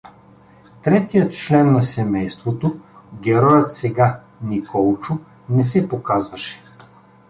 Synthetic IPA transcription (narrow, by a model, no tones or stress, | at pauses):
t̪ɾɛt̪ijət̪t͡ʃlɛnːɐsɛmɛjst̪vot̪o | ɡʲɛɾɔjət̪sɛɡa | nikɔlˠt͡ʃʊ | nɛsɛpokazvɐʃɛ̥